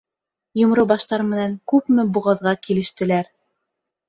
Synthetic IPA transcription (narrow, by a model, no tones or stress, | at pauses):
jŏmɾobɑʃt̪ɑɾmɘ̆næŋkʉpmɘbuʁɑðʁɑkilɘ̆ʃt̪ɘ̆læɾ